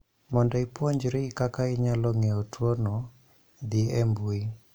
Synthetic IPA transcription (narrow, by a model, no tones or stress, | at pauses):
mɔndɔipwɔɲd͡ʒɾeɪkakaɪɲalɔŋeɔtwɔnɔ | d̪ɪɛmbui